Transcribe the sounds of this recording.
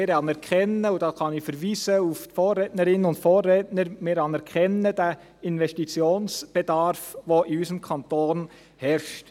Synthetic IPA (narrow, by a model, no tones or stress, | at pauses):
ɪɾɑnɛɾkʰχɛnəudɑːkɑnifəɾʋiːsəuftfoːrːɛtnəɾɪnənʊntfoːrɛːtnəɾmɪɾɑnɛɾkʰχɛnːəd̥æ | ɪnʋɛstit͡sjoːnsb̥ed̪ɑɾfʋoʔiysəmkʰɑnt̪oːn | hɛɾʃt